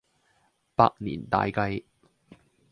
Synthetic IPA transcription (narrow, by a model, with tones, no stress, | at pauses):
paː˧k̚nḭː˨˩nt̪a̰ː˧jkɐ˧j